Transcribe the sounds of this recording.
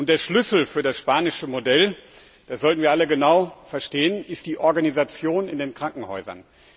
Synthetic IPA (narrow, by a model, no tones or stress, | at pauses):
ʔʊnt̚d̥eːɐʃlʏsl̩fyːɐdasʃpaːnɪʃəmodɛl | d̥aszɔltn̩viːɐʔaləɡənaʊfɛɐʃteːənɪst̚d̥iːʔɔɐɡanizat͡sjoːnɪndeːnkʁ̥aŋkŋ̩hɔ̰ʏzɐ̰n